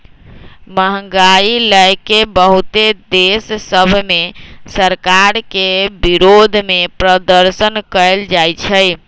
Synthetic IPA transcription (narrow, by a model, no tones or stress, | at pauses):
məɦə̃ŋɡailəjkebəɦut̪ed̪essəbʱmesəɾkaɾkebiɾod̪ʱmepɾəd̪əɾsənkəeld͡ʒajt͡ʃʰəj